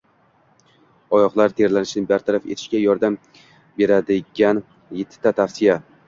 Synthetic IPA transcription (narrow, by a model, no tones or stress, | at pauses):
ɒjɒqlˠaɾt̪ʰe̞ɾlanɪʃɪnɪbaɾt̪ʰaɾafe̞̰t̪ʰɪ̥ʃkʲajɒɾd̪am | be̞ɾad̪ɪɡʲan | jet̪ʰːɪ̥t̪ʰːat̪ʰafsɪja